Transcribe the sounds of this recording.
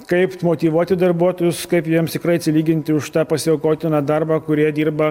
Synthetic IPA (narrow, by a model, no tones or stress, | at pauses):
kɐɪpmoːt̪ʲiːʋuɔt̪ʲɪd̪ɐrbuɔt̪oːjʊskɐɪpjiɛmst̪ʲɪkɾɐɪɐt̪sʲɪlʲiːɡʲɪnʲt̪ʲɪʊʃt̪ɑːpɐsʲɪɛkoːt̪ʲɪnɑːd̪ɐɾbɑːkʊɾʲiɛd̪ʲiːɾbɐ